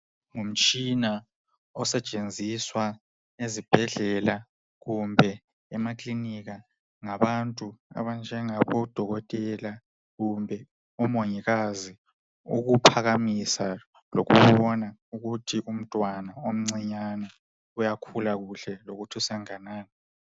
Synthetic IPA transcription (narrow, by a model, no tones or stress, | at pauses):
ŋum̩t͡ʃʼina | ɔsɛt͡ʃʼend͡zʱiswa | ezib̥ʱɛɮɛla | ɣumbʱɛ | ɛmakʼliniɣa | ŋaβantʼua̰βand͡ʒʱɛŋaβɔd̥ʱɔɣɔtʼɛla | ɣumbʱɛ | ɔmoɲiɣazi | ṵɣupʰaɣamisa | lo̰ɣṵβɔnauɣutʰiʔum̩tʼwanaom̩ŋ͡ǀiɲana | ujakʰulaɣuɬɛloɣutʰusɛŋanaːni